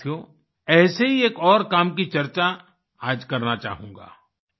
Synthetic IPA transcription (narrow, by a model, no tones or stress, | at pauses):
jo | ɛːseɦieːkɔːɾkaːmk̬it͡ʃɐɾt͡ʃa | aːd͡ʒkɐɾnat͡ʃa̰ːɦũːŋɡa̰ː